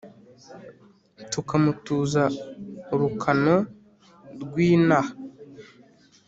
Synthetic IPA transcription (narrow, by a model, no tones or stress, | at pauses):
tukamutuːza | ɾukʰano | ɾɡwiːna